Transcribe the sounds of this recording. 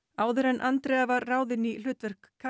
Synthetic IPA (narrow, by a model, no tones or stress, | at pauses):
aːwðʏɾɛnʔant̪ɾɛavaɾaːwðɪnːil̥ʏːt̪vɛr̥kʰːa